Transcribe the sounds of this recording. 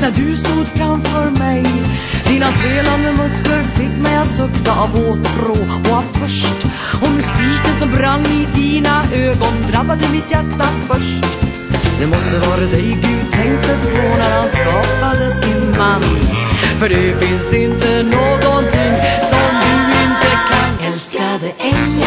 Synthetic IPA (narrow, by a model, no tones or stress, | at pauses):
næɖɵst̪uːd̪fɾamfœɾmɛj | d̪iːnasveːland̪əmœskləɾfɪkːmɛjat̪sʊkt̪aʔɑvoːt̪ɾoː | ɔavfʰœʂʈ | ɔmst̪iːkənsɔmbɾanːɪd̪iːnaʔøːɡɔnd̪ɾabːad̪əmɪt̪jæʈːafœʂʈ | d̪ɛmɔst̪əvɑːɾad̪ɛjɡʉːd̪̚t̪ʰɛŋkt̪ət̪pʰɔnæɾhanskɑːpad̪əsɪnmanfœɖɛfɪnsɪnt̪ənoːɡɔnt̪ʰɪŋːsɔmd̪ʉɪnt̪əkʰanɛlskad̪ɛʔɛŋ